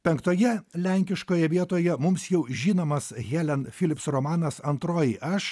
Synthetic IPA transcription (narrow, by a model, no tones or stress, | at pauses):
pʲɛŋkt̪oːjɛlʲæˑŋʲkʲɪʃkoːjɛʋʲiɛt̪oːjɛmʊmsjɛʊʒʲiːnoːmɐsɣʲɛːlʲɛnfʲɪlʲɪpsɾɔmɑːnɐsɐnt̪ɾoːjɪʔɐʃ